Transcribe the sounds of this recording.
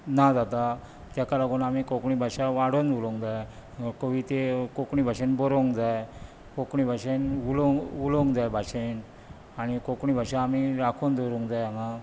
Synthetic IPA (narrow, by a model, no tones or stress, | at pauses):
nad͡zat̪a | t̪jakaɾaɡunamikokɳibʱaɕaʋaɽond̪uloŋɡd͡zaj | koʋit̪ekokɳibʱaɕenbɔɾoŋɡd͡zaj | kokɳibʱaɕenuloŋuloŋɡd͡zajbʱaɕen | aɽ̃ikokɳibʱaɕaːmiɾakʰond̪ʱoɾoŋɡd͡zajama